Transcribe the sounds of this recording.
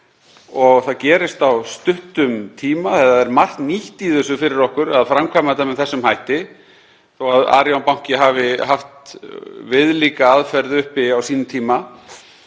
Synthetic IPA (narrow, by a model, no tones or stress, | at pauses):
ɔɣθaðcɛːɾɪst̪awst̪ʏht̪ʏmt̪ʰiːmaθɛt̪ːaðɛɾmar̥kniht̪iðʏsʏfɪɾɪɾɔhkʏɾaðfɾamkʰvajmat̪̬amɛðθɛsːʏmhaːjht̪ɪ | θɔwaða̰ːɾjawnpaw̥̃ŋ̥cɪɦaːvɪɦaft̪vɪðliːkaaðfɛɾðɪʏhpɪawsiːnʏmt̪ʰiːma